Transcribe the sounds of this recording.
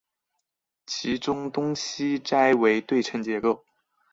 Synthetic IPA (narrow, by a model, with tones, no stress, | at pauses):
t͡ɕʰi˧˥ʈ͡ʂʊ˥ŋt̪ʊ˥ŋɕi˥ʈ͡ʂa˥ɪwe˧˥ɪt̪we˥˩ɪʈ͡ʂʰə˧˥ŋt͡ɕjɛ˧˥ko˥˩ʊ